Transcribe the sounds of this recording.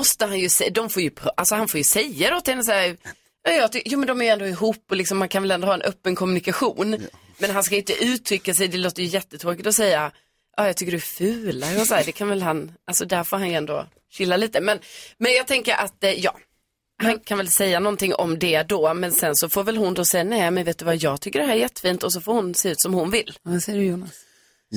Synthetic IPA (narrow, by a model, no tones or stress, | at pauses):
ɔst̪əɦanjɵsɛd̪ɔmfoːɾjɵpʰʔalsɔhanfoːɾjɵsɛjːaɾɔt̪ːhɛnːəs̬æːɾ | jɑːjɑːt̪ʏjuːmɛnd̪ɔmæɾjɵɛnd̪oːɪɦuːpːɔlɪksɔmːankʰanvɛlɛnd̪ohːɛnʔœpːənkʰɔmnɪkaɧuːn | mɛnɦanskajʏɪnt̪əʔʉ̟ːt̪ʰɾʏkːasɛjd̪ɛloːt̪əɾjɵjɛt̪ːət̪ʰɾoːkɪt̪ɔsɛjːa | ʔɑːjɑːt̪ʰʏkːəɖɵfʉ̟ːlaɔsæːɖɛkʰanvɛlɦanʔalsɔd̪æɾfoːɾɦanjɛnd̪o̰ː | ɕɪlːaliːt̪əmɛnmɛnjɑːɡ̚t̪ʰɛŋkəɾʔat̪jɑ̰ː | hankʰanvɛlsɛjːanɔnt̪ɪŋːʔɔ̰md̪ɛd̪ɔmɛnsɛnsɔfoːɾvɛlɦʊnd̪osɛjːanɛjmɛnveːt̪d̪ɵvajɑːɡt̪ʰʏkːəɖɛɦæːɾjɛt̪ːə̥fiːnt̪ɔs̬ɔfoːɾhʊnseːʉ̟ːt̪sɔmhʊnvɪlːsɛjjuːnas